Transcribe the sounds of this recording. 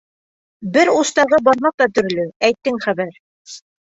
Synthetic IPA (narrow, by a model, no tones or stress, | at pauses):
bɘɾust̪ɑʁɤbɑɾmɑq̚t̪ɑt̪ɵ̆ɾ̆lɵæjt̪ːɘŋχæβæɾ